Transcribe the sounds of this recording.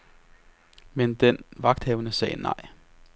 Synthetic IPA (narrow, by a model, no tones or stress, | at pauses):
mend̥enʋɑ̈ɡ̥d̥hɛːʊnəsɛ̰ːnɑ̰̈ɪ̰